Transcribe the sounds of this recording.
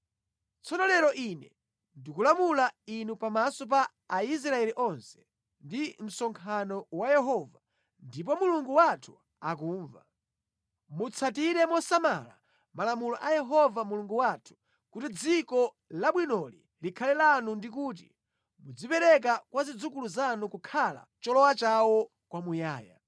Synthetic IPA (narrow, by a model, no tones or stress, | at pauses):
t͡sɔnɔlɛɾɔʔinɛ | ndikulamulainupamasɔp̬aː | is̬ɾaɛliʔɔnsɛ̥ | ndim̩sɔŋkʰanɔwajɛɦɔva | ndip̬ɔmuluŋɡuwatʰu̥ | ak̬uːɱva | mut͡sʰatiɾɛmɔsama̰la̰ | malamulɔʔajɛɦɔvamuluŋɡuwatʰu̥ | kutid͡zikɔ | laɓwinɔlḭ | likʰalɛlanundik̬uːt̬ḭ | mud͡zipɛɾɛk̬akwazid͡zukuluzanukukʰala̰t͡ʃɔlɔwat͡ʃawɔ | kwamujaːja̰